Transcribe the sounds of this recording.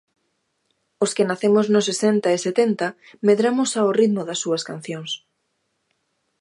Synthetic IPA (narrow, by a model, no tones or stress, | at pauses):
oskɪnaθemʊznʊsesent̪aeset̪ent̪ɐ | meðɾamʊsaorit̪mʊðɐsːuɐskan̟θjoŋs